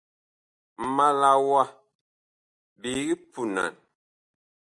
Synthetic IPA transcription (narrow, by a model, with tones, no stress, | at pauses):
m̩˨ma˨la˨wa˦ | bi˨˦ɣi˦pu˨na̰˨n